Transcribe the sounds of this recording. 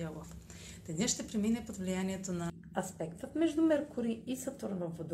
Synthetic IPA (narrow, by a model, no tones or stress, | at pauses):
ɔlof | d̪ɛnɛʃt̪ɛpɾɛminɛpod̪vlijaniɛt̪onɐ | ɐspɛkt̪ət̪mɛʒd̪ʊmɛɾkʊɾiisɐt̪oɾvovod̪